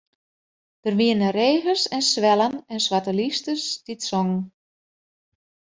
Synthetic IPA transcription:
d̥ərʋiənəreːɣəsɛnsʋɛlˠənɛnswatəlistəsditsɔŋn

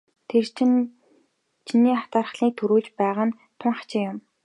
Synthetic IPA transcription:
t̪ʰert͡ɕ̆ʰn | t͡ɕʰiniːχḁt̪aːrə̆χɮiːk̚t̪ʰuɾuːɮt͡ɕpæːʁăn | t̪ʰʊɴχḁt͡ɕɪjʊm

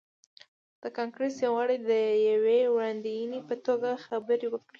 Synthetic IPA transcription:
d̪̥əkɑŋkɾesjawɣaɽejd̪əjawewɽɑnd̪ijnipət̪oɡaxabəɾiwəkɽi

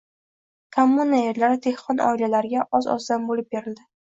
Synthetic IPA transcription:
kʰamːunaeɾlaɾd̪ʰe̞hqɒnʔɒ̰ɪlalaɾɪɡʲaʔɒzɒ̰zd̪ambolɪp̚beɾɪld̪ɪ

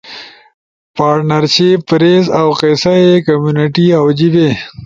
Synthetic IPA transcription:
paːɾʈnɐɾʃepːɾeːzawqesaekɐmjunɪʈiawd͡ʒibe

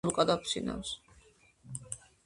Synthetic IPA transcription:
uqʼad̪akʰsḭna̰ws

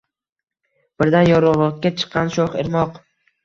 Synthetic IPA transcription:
b̥ɪɾd̪anjɒɾɒlˠɒt̪̚kʲat͡ʃʰɨ̥qːɑnʃoχeɾmɒq

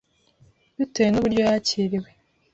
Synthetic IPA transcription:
dutejenuβuɾɟo̞jaːciːɾiwe

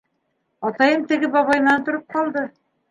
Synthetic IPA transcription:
ɑt̪ɑjɤmt̪ɘ̆ɡɘbɑβɑjɤ̆nɑnt̪ŏɾop̚qɑlˠd̪ɤ

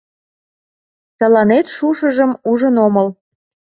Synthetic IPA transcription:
t̪ə̆lɑnet̪ʃuʃəʒəmuʒənoməl

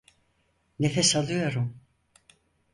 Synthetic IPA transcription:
nefesalˠɯjo̞ɾum

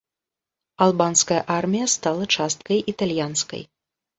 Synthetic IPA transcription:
ɐlˠbanskɐjɐ̰ʔarmʲijɐst̪alˠɐt͡ʂast̪̚kɐjʔit̪alʲjanskɐ̰j

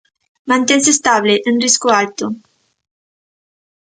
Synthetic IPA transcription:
mant̪ens̬est̪aβleʔɨnriskualt̪u

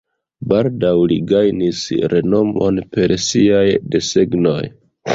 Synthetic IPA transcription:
baldawlḭɡajnisɾe̞no̞mo̞̰npe̞ɾsiajde̞se̞ɡno̞j

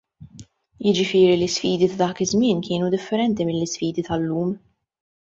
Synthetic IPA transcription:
jɪd͡ʒɪfɪːɾilɪsfiːd̪it̪ɐd̪ɐːkɪzmɪːnkɪːnud̪ɪfːɛɾɛnt̪imɪlːɪsfiːd̪it̪ɐlːuːm

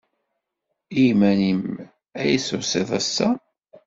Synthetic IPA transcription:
imænim | æjisʊsˤeðˤæsːæ

